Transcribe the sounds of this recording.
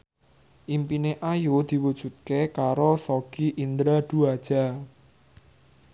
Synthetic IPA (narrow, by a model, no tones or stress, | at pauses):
ʔimpineʔajud̪̥i̤wud̥ʒ̥ṳt̪̚kekaɾosoɡ̥iʔind̪ɾad̪̥uad̥ʒ̥a̤